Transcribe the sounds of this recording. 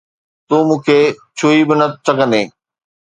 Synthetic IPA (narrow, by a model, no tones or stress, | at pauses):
t̪uːmũːkʰeːt͡ɕʰuːibɪnəsʰɐɠə̃nd̪eː